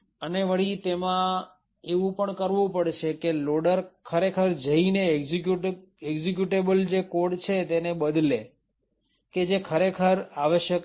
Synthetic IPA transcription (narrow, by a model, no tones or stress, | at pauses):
əneʋəɭit̪emã | eʋũpəɳkəɾʋũpəɽʃekeloɽəɾkʰəɾekʰəɾd͡ʒəineɡd͡ʒikjuʈ | eɡzik̬juʈebəld͡ʒekoɖt͡ʃʰet̪enebəd̪le | ked͡ʒekʰəɾekʰəɾaʋəʃjək